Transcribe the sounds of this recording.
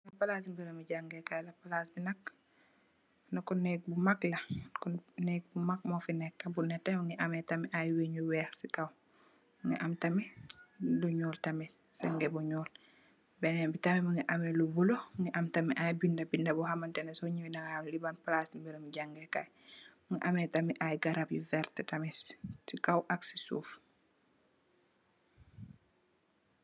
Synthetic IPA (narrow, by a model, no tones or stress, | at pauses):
lapalasimbiɾɐmiɟaŋɡekajlapalasbinak̚ | nukɔnːɛk̚bumaklakunɛk̚bumak̚mofinɛkːabunɛtɛmaŋiʔametamiʔajweɲuwɛɾsikaw | ŋɛ̰ʔamtami | luɲɔːltamɛsɛŋɡebuɲɔːl | bɛnɛmbitɐmɛmɐŋiʔɐmɛlubuloŋɛʔɐmtɐmiʔajbindɐbindɐbɔhamɐntɛnɛsɔɲiwinɐŋhamlibanplasmbiɾəmɟaŋɡɛkaj | muŋiʔamɛtɐmiʔajɡaɾapjivɛɾtɛtɐmɛsikawʔaksi̥sṵːf